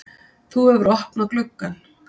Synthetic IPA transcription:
θuɛvɾɔhpnaklʏkːan

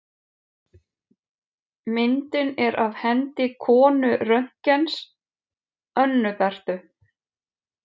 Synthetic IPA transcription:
mɪnt̪ɪnɛɾʔavhɛnt̪ɪkʰɔːnʏrœɥŋ̥cɛns | œnːʏkar̥t̪ʏ

